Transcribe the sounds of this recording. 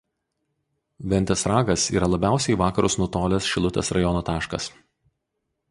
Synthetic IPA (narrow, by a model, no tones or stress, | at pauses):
ʋʲɛnʲt̪ʲɛsɾɑːɡɐsḭːɾɐlˠɐbʲæˑʊsʲɛɪʋɑːkɐɾʊsnʊt̪oːlʲɛsʃʲɪlˠʊt̪ʲɛsɾɐjɔnoːt̪ɑːʃkɐs